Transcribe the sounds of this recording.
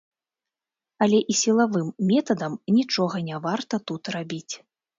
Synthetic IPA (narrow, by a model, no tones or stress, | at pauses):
ɐlʲɛʔisʲilˠavɨmːʲɛt̪ɐd̪ɐmnʲit͡ʂɔɣɐnʲavart̪ɐt̪ut̪rabʲit͡sʲ